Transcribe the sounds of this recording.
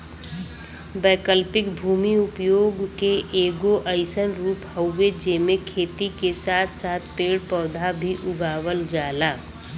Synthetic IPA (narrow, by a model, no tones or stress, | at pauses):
bɛːkəlpɪkbʱuːmiʊpjoːɡkeʔeːɡoʔəɪsənɾuːpɦəʊːed͡ʒeːmẽkʰeːt̪ikesaːt̪ʰsaːt̪̚ʰpeːɽpɔːd̪ʱabʱiʔʊɡaːʋəld͡ʒaːlaː